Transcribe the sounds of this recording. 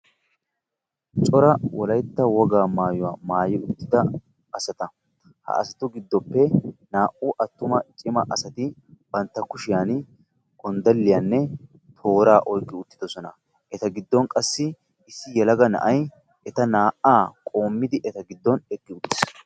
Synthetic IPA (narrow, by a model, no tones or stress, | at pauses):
t͡ʃʼɔɾɐwɔlɐjt̪ːɐwɔɡaːmaːjʊwaːmaːjɪʊt̪ːɪd̪ɐ | ɐsɐt̪ɐ | hɐ̰ɐ̰sɐt̪ʊɡɪd̪ːɔpːɛnaːʔʊʔɐt̪ːʊmɐt͡ʃʼɪmɐʔɐsɐt̪ɪ | b̥ɐnt̪ːɐkʊʃɪjan | ɔnd̪ɐlːɪjaːnːɛ | t̪ʰo̞ːɾaːʔɔjkʼːɪʊt̪ːɪ̥d̪ɔsɔnɐ | ʔɛt̪ɐɡɪd̪ːɔnkʼɐsːɪ | ɪsːɪjɛlɐɡɐnɐ̰ʔɐj | ɛt̪ɐnaːʔaːkʼo̞ːmːɪd̪ɪʔɛt̪ɐɡɪd̪ːɔnɛkʼːɪʊt̪ːɪ̥s